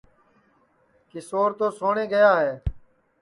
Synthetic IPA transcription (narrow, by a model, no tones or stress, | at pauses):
kɪsoːɾt̪oːsoːɳeːɡəjaːɦeː